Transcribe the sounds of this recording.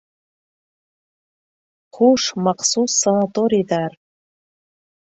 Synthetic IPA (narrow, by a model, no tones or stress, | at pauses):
χuʂmaχsusːanatʼoɾijdar